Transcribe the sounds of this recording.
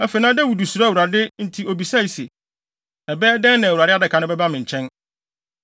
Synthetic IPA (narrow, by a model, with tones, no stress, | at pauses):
ɛ˦fe˨˦nãː˦dɛ˦wu˨du˨su˨ɾa˦˨wu˨ɾa˨dɪ˦n̩˦tʰi˦o˨bi˨sa˦i˨se˨ | ɛ˨bɛː˦dɛ̃˦nnɪ̃˨wɾa˨dɪ˦a˦dɪ˨kʰã˨˦nʊ̃˦bɛ˦ba˦mɪ̃˨ɲ̩˨t͡ɕʰɛ̃˦n